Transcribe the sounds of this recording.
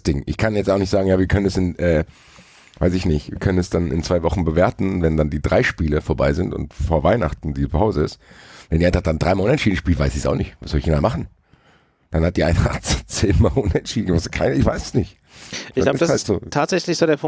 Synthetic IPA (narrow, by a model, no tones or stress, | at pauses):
sd̥ɪŋʔɪ̰çkʰanjɛt͡staʊxnɪçtz̥aːɡŋ̩jaːviːɐkʰœnənɛsɪnʔɛː | vaɪsɪçnɪçtv̥iːɐkʰœnənɛsd̥anɪ̰nt͡sv̥aɪvɔχn̩bəveːɐtn̩vɛndandiːdʁaɪʃpiːləfoːɐbaɪzɪntʊ̰ntfoːɐvaɪnaχtn̩diːzpʰaʊzəɪsvɛndiːaɪnfatd̥and̥ʁaɪmalʊnɛnʃiːdn̩ʃpiːltvaɪsɪsa̰ʊxnɪçtvaszɔlɪçjnaːmaχn̩ | d̥anhat̚d̥iːʔa̰ɪnta̰t͡st͡seːnmaːlʔʊnɛntʃiːdn̩ɡəmaskʰaɪnɪçv̥aɪsə̥snɪçtː | labə̥asaaltz̥oːtʰaːtz̥ɛçlɪçz̥oːdeɐpʰʊ